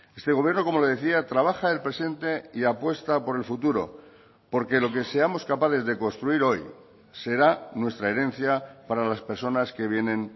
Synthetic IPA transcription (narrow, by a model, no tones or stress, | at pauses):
e̞st̪e̞ɣ̞o̞βjeɾno̞ko̞mo̞loð̞e̞θiat̪ɾaβ̞axaelpɾe̞se̞nt̪e̞iapwe̞st̪apo̞ɾe̞lfut̪uɾo̞̰ | po̞ɾke̞lo̞ke̞se̞amo̞skapaθe̞zðeko̞nst̪ɾuiɾo̞j | se̞ɾanwe̞st̪ɾae̞ɾe̞n̟θjapaɾalaspe̞ɾso̞naske̞β̞je̞nẽ̞n